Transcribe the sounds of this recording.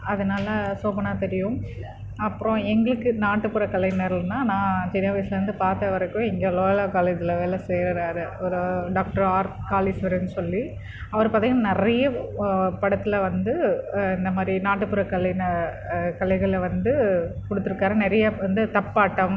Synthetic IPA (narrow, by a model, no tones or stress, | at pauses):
ɐðɐnaːlɐsoːpɐnaːt̪ɛɾɪjɯ̃m | ɐpːɯɾõɛŋɡɐɭɯkːɯnaːʈːɯpɯɾɐkɐlɐɪneːɾɐlnːaːnãːt͡ʃɪnːɐːʋɐslɐɾɯnd̪ɯpaːɾt̪ɐʋɐɾɐkːʊ̃ɪŋɡeːloːjɐlaːkaːled͡ʒɪlɐʋeːlɐseːɾɐɾaːɾɯɔɾɯɖaːk̚ʈɐɾaːɾkaːlisʋɐɾɯnːɯsɔlːi | ɐʋɐɾpaːt̪iːŋɡɐnaːnɛɾɐjɐpɐɽɐt̪ːɪlɐʋɐnd̪ɯɪnd̪ɐmaːd̪ɾinaːʈːɯpːɯɾɐkɐlɐɪnɐ | kɐlɐɪɣɐɭʋɐnd̪ɯkɔɽɯt̪ːɯɾɯkːaːɾɐnɛɾɐjɐʋɐnd̪ɯt̪ɐpːaːʈːɐm